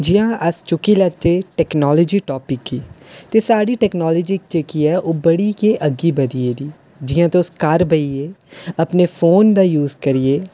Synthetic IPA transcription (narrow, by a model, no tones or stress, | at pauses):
d͡ʒɪjãːʔəst͡ʃʊkiːlət͡ʃeːʈɛːknɔːlɔːd͡ʒiːʈɔːpɪkːiːt̪eːsaːɽiːʈɛːknɔːlɔːd͡ʒik̚t͡ʃekiːɛːʔoːbəɽiːkeːʔəɡiːbəd̪ieːd̪iː | d͡ʒɪjãːt̪ːʊskaɾbʱəieːəpneːpʰoːnd̪aːjuːzkəɾɪeː